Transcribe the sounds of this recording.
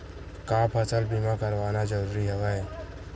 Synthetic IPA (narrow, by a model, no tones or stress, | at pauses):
kãːpʰɐsəlbimakəɾʋaːnad͡ʒəɾuːɾiɦɛʋaɦɛː